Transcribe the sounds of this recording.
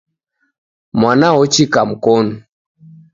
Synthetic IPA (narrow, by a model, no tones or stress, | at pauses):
mwanawɔt͡ʃikam̩kɔnu